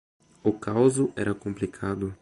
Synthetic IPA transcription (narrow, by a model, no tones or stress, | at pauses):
ʊkawzʊʔɛɾɐkõmplikʰad̪ʊ